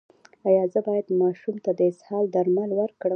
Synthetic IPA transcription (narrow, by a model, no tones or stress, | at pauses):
ajɑzəbɑjad̪mɑʃumt̪ad̪əɪshɑld̪aɾmalwəɾkɽə